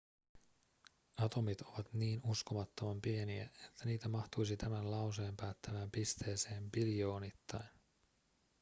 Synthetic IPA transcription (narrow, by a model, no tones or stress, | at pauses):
ɑt̪o̞mit̪o̞ʋɑt̪niːnusko̞mɑt̪ːo̞mɑmpie̞niæ̰e̞t̪ʰːæniːt̪æmɑxt̪ujsit̪æmænlɑwseːmpæːt̪ːæʋæːmpist̪e̞ːse̞ːmpilijo̞ːnit̪ːɑjn